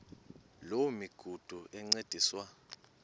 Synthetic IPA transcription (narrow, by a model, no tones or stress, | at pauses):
lowmiɡ̥ʱud̥ʱuɛŋ͡ǀed̥ʱiːswa